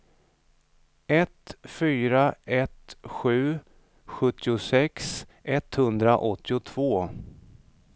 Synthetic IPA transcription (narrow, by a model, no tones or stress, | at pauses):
ɛt̪fyːɾaʔɛt̪ɧʉ̟ː | ɧɵt̪ʰːɪʊsɛksʔɛt̪hɵnd̪ɾaʔɔt̪ːɪʊt̪ʰv̥oː